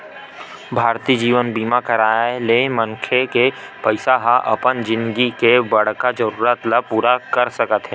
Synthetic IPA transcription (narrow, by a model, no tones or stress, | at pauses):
bʱaːɾt̪id͡ʒiːʋənbiːmakɐɾaːaeleːmə̃ŋkʰeke | pəɪsaɦaʔɐ̰pənd͡ʒɪ̃nd̪ɡikebɐɽ̤kad͡ʒəɾuːɾət̪lapuːɾakəɾsəkət̪ɦɛː